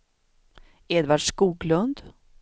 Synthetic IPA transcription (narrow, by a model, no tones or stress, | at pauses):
eːd̪vaɖʂkuːɡlɵnd̪